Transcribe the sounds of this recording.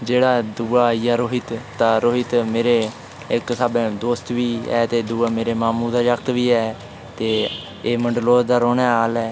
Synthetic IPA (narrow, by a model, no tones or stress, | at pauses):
d͡ʒeːɽaːd̪uːaːjaːɾoːɦɪt̪t̪aːɾoːɦɪt̪meːɾeː | ɪksabẽːd̪oːst̪ʋiːɛ̰ːt̪eːd̪uːaːmeːɾeːmaːmuːd̪aːjəkt̪ʋiːɛː | t̪eː | eːməɳɖloːd̪aːɾoːnɛːaːlɛː